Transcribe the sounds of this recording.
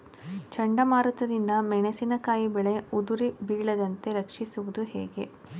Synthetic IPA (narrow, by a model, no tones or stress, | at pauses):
t͡ʃɐɳɖɐmaːɾut̪ɐd̪ind̪ɐmɛɳesinɐkaːjibɛɭe̞ud̪uɾibiːɭɐd̪ɐnt̪e̞ɾɐkʂisuʋud̪uɦɛ̰ːɡe̞